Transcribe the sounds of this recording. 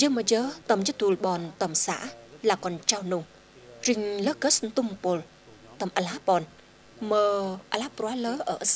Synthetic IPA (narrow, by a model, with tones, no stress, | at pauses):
jə˧mə˧jəː˧˦t̪ə˧mjə˦t̪u˨˧lɓɔ˧nt̪ə˨˩msa̰˧˨laː˧˩kɔ˧nt͡ɕa˧wnu˧ŋ | ri˧˨ŋləː˧˦kə˧˦snt̪u˧mpo˧l | t̪ə˧mʔa˨laː˧˥pɔ˧n | məː˧ʔa˧laː˧˥pɾu˧a˦ləː˧˦ʔə˧˨ʔs